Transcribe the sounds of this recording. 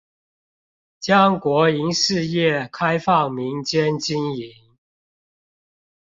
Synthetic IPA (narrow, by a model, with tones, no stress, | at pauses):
t͡ɕjɑ˦˥ŋkwɔ˨˥i˧˥ŋʂɻ̩˥˧jɛ˥˨kʰa˦ɪfɑ˥˨ŋmi˨˦ŋt͡ɕjɛ˦nt͡ɕi˦ni˨˦n